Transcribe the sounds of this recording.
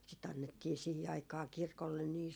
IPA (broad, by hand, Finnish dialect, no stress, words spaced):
sit ɑnːetːiː sihi ɑikɑː kirkolːen niː